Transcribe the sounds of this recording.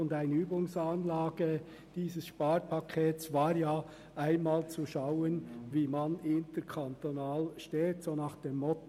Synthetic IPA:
ʊndaɪnəyːbʊŋsanlaːɡ̥ə | d̥iːsəsʃpaːɾpʰɑkʰeːtsvaːɾjaː | ʔaɪnmaːlt͡suʃaʊənviːmanɪntəɾkʰant̪onaːlʃteːtsoːnaːχd̥eːmːɔt

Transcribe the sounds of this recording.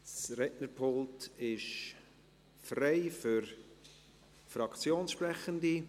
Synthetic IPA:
srɛtnəpʰoltɪʃ | freɪfyɾ | frɑkt͡sjoːnsʃprɛχəndi

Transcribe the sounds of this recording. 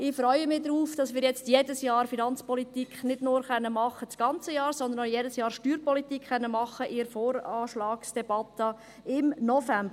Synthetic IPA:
ɪfɾœʏəmɪd̪ɾuːfd̥ɑsmɪːɾjɛt͡stjedəsjɑːɾfinɑnt͡spɔlit̪ikχnɪd̥nʊɾχœnːəmɑχːət͡sɡ̥ɑnt͡səjɑːɾsɔnd̪ənojɛːdəsjɑːɾʃtyːɾpɔlit̪iːkχœnːəmɑχːəʔɪɾfoːɾɑːʃlɑːksd̥ɛb̥ɑt̪ə | ɪmnɔfæmbə

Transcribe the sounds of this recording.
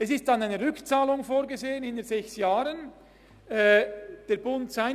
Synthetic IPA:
ɛsɪst̚d̥anaɪnəʁʏkt͡saːlʊŋfoːɾɡəzeːənɪnəzɛçsjaːɾən | ɛːd̥eːɐbʊntz̥aɪ

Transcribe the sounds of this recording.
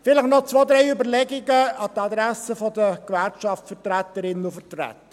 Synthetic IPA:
fɪləχnɔt͡sʋoːd̪ɾɛɪʏbəɾlɛɡɪɡəɑt̪ɑd̪ɾæsəfɔd̪əkʋæɾkʃɑftfət̪ɾæt̪əɾɪnufətɾæ̰t̪ːə

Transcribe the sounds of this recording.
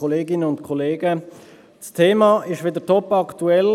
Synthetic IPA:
ɔleːɡɪnəʊntkʰɔleːɡə | stʰeːmɑːɪʃʋɪd̪ətʰɔpɑkt̪uɛl

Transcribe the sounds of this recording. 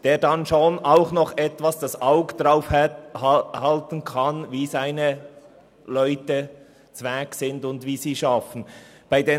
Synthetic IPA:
d̥eːɾdɑnʃoːnʔaʊxnɔχʔɛtvasd̥ɑsʔaʊɡədʁaʊfhhhɑltən̩kʰɑnviːzaɪnə | lœʏtə | t͡svɛksɪndʊndviːziːʃɑfən̩ | b̥aɪdeː

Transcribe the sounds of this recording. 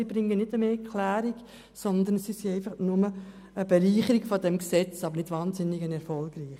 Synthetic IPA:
ib̥ɾɪŋənɪdəmeːkʰlæːɾiɡ | sɔnd̪ənsisiɛɪfɑχnʊmə | əb̥ɛliːχəɾiɡfɔdɛmksɛt͡sɑb̥əɾnɪdʋɑːnsɪnːɪɡənɛɾfɔlɡ̥riːχ

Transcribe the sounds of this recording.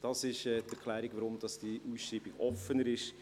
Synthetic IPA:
d̥ɑsɪʃɛːtɛɾkʰχlæːɾiɡ̥ʋəɾʊmd̥̪ɑsd̥iʔuːsʃɾiːb̥iɡɔfənəɾɪʃ

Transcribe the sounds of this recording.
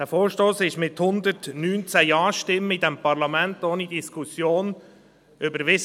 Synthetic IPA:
d̥æːfoːɾʃtoːsɪʃmɪthʊnd̪ətnyːnt͡sæjɑːʃtɪməidɛmpɑɾlɑmæntoːnid̪iskʰusjoːn | ʏbəɾʋɪs

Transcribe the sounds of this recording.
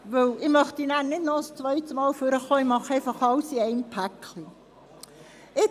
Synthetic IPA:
ʋɵwɪmœχt̪inæːɾnɪdnɔəst͡sʋœjt̪smɑːlføɾəχoːɪmɑχɛɪfɑχɑlsiɛɪnpʰækli | ɪ

